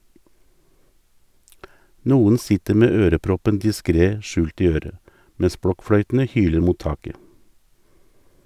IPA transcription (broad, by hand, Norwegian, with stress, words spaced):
ˈnuːən ˈsɪtəɾ ˈmeː ˈøːɾəˌpɾɔpən dɪˈskɾeː ˈʃʉːlt ˈiː ˈøːɾə ˈmɛs ˈbɽɔkˌfɽœʏtn̩ə ˈhyːləɾ ˈmuːt ˈtɑːkə